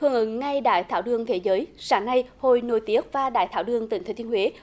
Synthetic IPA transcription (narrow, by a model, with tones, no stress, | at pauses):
hɨ˧əŋʔɨ̰˧˨˦ŋŋa˧jɗa̰ː˧˨jt̪ʰaː˧˩wɗɨ˨˩əŋt̪ʰe˨˦zəː˨˦jsaː˨˦ŋna˧jho˧˨jno̰˧˩jt̪i˨˦˥əp̚vaː˧˩ɗa̰ː˧˨jt̪ʰaː˧˩wɗɨ˨˩əŋt̪i˧˩ŋʰə˨˧˩t̪ʰhwe˨˦